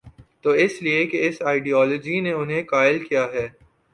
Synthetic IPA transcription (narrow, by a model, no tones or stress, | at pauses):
t̪oːɪsliekeɪsaːɪɖiɔːlɔːd͡ʒineʊnɦẽkaːɪlkijaɦɛː